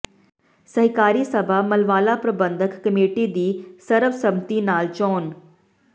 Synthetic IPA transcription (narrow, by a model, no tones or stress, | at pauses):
sɐɦɪkaːɾisɐbʱamɐlʋaːlapɾəbə̃nd̪ʱəkːəmeːʈid̪iːsɐɾəfsɐbt̪inaːlt͡ʃɔːn